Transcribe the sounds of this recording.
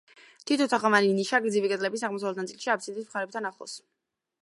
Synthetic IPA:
t̪ʰit̪ʰɔt̪ʰaχamaniniʃaɡd̪zivikʼɛd̪ʼlɛbisaʁmɔs̬avlɛt̪nat̪ʼilˠʃiap̪̚ʰsʰid̪ismχaɾɛp̚t̪ʰanaχɔ̰s

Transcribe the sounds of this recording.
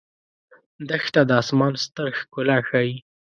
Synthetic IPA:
d̪əxt̪ad̪əɑsmɑnst̪əɾxkʊlaxɑji

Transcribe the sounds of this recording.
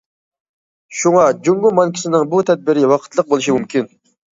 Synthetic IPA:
ʃuŋɑd͡ʒuŋɡʊlˠmɑnkʲʰi̥sɪnɪŋbut̪ʰɛd̪̚bɪɾɪwɑqʰə̥t̪ʰlˠəq̚bolˠuʃimumkʲʰin

